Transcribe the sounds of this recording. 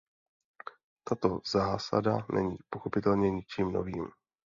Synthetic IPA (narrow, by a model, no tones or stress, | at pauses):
t̪at̪o̞zaːsa̰danʔɛɲiːpo̞xo̞pɪt̪ɛlɲɛɲɪt͡ʃiːmno̞̰viːm